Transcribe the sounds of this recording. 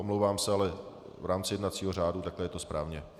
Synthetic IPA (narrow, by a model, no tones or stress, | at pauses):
omlowvaːmsɛalɛ | vɾaːmt͡sɪjɛdnat͡siːɦoraːdut̪aklɛjɛt̪o̞spɾʔaːvɲɛ